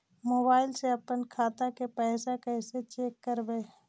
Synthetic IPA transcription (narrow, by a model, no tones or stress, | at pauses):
moːbaːɪlseɐpənkʰaːt̪akepɛːsakɛset͡ʃeːkːəɾbeː